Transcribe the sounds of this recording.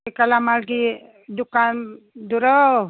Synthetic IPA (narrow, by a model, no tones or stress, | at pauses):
kalamalɡi | dukan | duɾɔw